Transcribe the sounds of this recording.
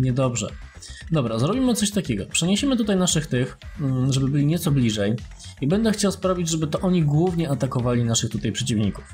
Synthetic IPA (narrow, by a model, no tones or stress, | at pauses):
ɲɛd̪ɔbʐɛ̰ | d̪ɔbɾazɾɔbʲimɘt̪sɔɕt̪akʲɛɡɔpʂɛɲeɕɛmɘt̪ut̪ajnaʂɘxt̪ɘxʐɛbɘbɘlʲiɲɛt̪sɔblʲiʐɛj | ibɛnd̪ɛxt͡ɕawspɾavʲid͡ʑʐɛbɘt̪ɔʔɔɲiɡwuvɲɛat̪akɔvalʲinaʂɘxt̪ut̪ajpʂɛt͡ɕivɲiku̥f